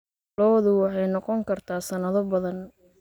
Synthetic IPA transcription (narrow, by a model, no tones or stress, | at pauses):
lɔːðʊwɑħɑjnɔqɔŋkʰɐrt̪ʰaːsɐnɐðɔbɐðɐn